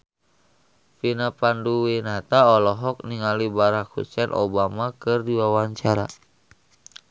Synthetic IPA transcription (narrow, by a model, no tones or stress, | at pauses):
finapanduwinat̪aɔlɔɦɔk̚niŋalibaɾak̚hṵt͡ʃɛnʔo̰bamakɨrdiwawaɲt͡ʃaɾa̰